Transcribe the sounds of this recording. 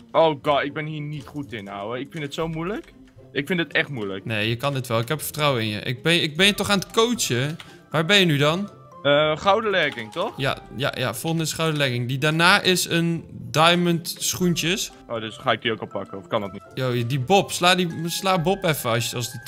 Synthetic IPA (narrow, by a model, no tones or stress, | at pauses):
ʔowɡɔtɪɡ̚bɛnɦiːɹnitχutɪna̰wəɪkfɪntətsowmujlək | ʔɪkfɪndətɛχtmujləknejjəkɑndɪtʋɛlˠɪkɦɛpfə̥trawəɪnjə̰ʔɪ̰k̚bɛnɪk̚bɛnjətɔχaːnətkowsə | ʋaːɹbɛnjənydɑn | əχawdəlɛrkɪŋtɔχja̰ja̰ja̰fɔlˠχəndəɪsχawdəlɛkɪŋdidaːnaːʔɪsəndajməntsχuntəs | ʔoːdøsχaːɪk̚diowkɔpɑ̰kəɔfkɑndɔtnitjoːədibɔpslaːdislaːbɔpɛfəɑsjəɑsdə